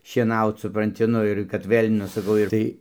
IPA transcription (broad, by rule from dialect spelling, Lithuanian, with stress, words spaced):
ʃʲiɛˈnɐʊt sʊprɐnʲˈtʲɪ ˈnʊ ɪr kɐt ˈʋʲeːlʲ ˈnʊ sɐˈkɐʊ ɪr ˈtɐɪ